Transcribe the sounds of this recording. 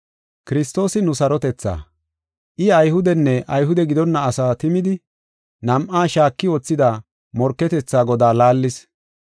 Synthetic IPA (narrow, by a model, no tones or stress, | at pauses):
kɪɾɪst̪o̞ːsɪnʊsɐɾɔt̪ɛt͡sːa̰ː | ʔɪɐjhʊd̪ɛnːɛʔɐjɦʊd̪ɛɡɪd̪ɔnːɐːsaːt̪ɪmɪd̪ɪ | nɐmʔaːʃaːkːɪoːt͡sːɪd̪a | mɔɾkːɛt̪ɛt͡sːaːɡɔd̪aːlaːlːɪs